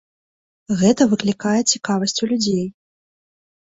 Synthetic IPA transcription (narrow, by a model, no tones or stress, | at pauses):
ɣɛt̪ɐvɨklʲikajɛt͡sʲikavɐsʲt͡sʲulʲud͡zʲej